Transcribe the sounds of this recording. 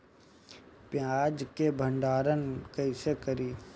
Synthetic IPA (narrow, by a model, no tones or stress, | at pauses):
pjaːd͡ʒkebʱə̃ɳɖaːɾənkəisekəɾiː